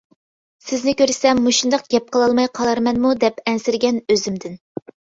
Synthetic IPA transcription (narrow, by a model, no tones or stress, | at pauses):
sɪznɪkʲøɾsɛmːuʃund̪ɑq̚ɡʲɛp̚qʰəlˠɑlˠmɑjqʰɑlˠɑɾmɛnmud̪ɛpɛnsɪɾɡʲɛnøzymd̪ɪn